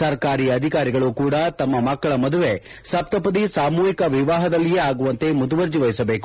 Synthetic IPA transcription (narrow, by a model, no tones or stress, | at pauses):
sɐɾɐkaːɾiːɐd̪ʱikaːɾiɡɐɭukuːɽɐt̪ɐmːɐmɐkːɐɭɐmɐd̪uʋe | sɐp̚t̪ɐpɐd̪isaːmuːɦikɐʋiʋaːɦɐd̪ɐlːijeːaːɡuʋɐnt̪e̞mud̪uʋɐɾd͡ʒiʋɐjisɐbeːku